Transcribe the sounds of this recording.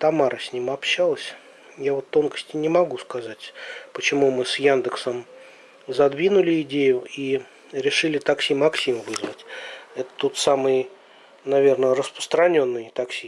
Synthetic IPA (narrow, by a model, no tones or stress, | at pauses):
t̪ɐmaɾəsʲnʲimɐpɕːalˠəsʲ | javo̞t̪ːo̞nkə̥sʲtʲɪnʲɪmɐɡuskɐzatʲpət͡ɕɪmumɨsjand̪əksəm | zɐd̪vʲinʊlʲɪɪdʲejʊi | ɾʲɪʂɨlʲɪt̪ɐksʲimɐksʲimvɨzvətʲɛt̪ə̥t̪ut̪samɨj | nɐvʲe̞rnərəspɾə̥st̪ɾɐnʲo̞nːɨjt̪ɐksʲi